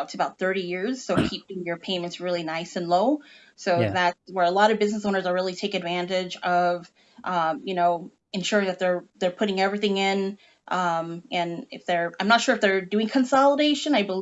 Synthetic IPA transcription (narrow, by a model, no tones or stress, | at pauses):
ʊtʰɨbaʊt̪̚θɜ˞ɾijɪɹz̥soʊkʰip̚d̥iɪ̃ŋjə˞pʰẽɪ̃mɨ̃ntsɹɪlˠinaɪsɨ̃nloʊ | soʊðætswə˞əlɔɾʌvbɪznəs̬õʊ̃nə˞zə˞ɹɪlˠitʰeɪkɨdvæ̃ntɪd͡ʒʌv̥ | ʔʌ̃jɨnoʊ | ɨ̃nʃʊɹɪ̃ŋðɨt̪̚ðə˞ðə˞pʰʊɾɪ̃ŋɛvɹiθɪ̃ŋɪ̃n | ʔʌ̃mʔɨ̃nɪ̰fðə˞ãɪ̃mnətʃʊɹɨfðə˞dʉɪ̃ŋkʰɨ̃nsɑlˠəɾeɪʃɨ̃naɪbəl